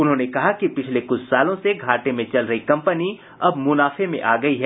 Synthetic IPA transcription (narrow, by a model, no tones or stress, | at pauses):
ʊnɦõːnekɐɦakipɪt͡ʃʰlekʊt͡ʃʰsaːlõseɡʱaːʈemẽt͡ʃɐlɾɐɦikɐ̃mpəni | ɐbmʊnaːfemḛ̃ʔaːɡɐiɦɛː